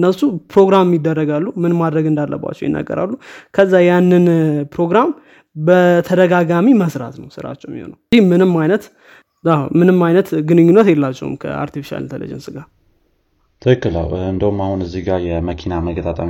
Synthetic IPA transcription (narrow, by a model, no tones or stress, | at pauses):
ɨnːəsupɾo̞ɡɾammjɪd̪ːərːəɡalːumɨnmad̪ɾəɡɨnd̪alːə̰ba̰t͡ʃːɛ̰wjɪ̰nːə̰ɡːə̰ɾa̰lːukʰəzːajanːɨnpɾo̞ɡɾam | bət̪ʰəd̪əɡaɡamiməsɾa̰t̪nəwsɨɾa̰t͡ʃːɛwmjiho̰nəwimɨnɨmːajnət̪ | amɨnɨmːajnət̪ɡɨnɨɲːunːət̪jɛlːat͡ʃːɛ̰wɨ̰mkʰə̰a̰ɾt̪ifi̥ʃa̰lnt̪ʰəlḛd͡ʒɛ̰nsɨɡa | t̪ʰɨɨkːɨla̰wɨnd̪əwumahunɨzːiɡaɾjɛməkʰinaməɡət̪ʼat̪ʼam